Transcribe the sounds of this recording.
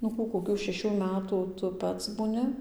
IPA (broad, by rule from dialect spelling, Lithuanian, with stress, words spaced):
nʊ ˈkuː koːˈkʲuː ʃʲɛˈʃʲuː ˈmʲæːtuː ˈtʊ ˈpɐts buːˈnʲɪ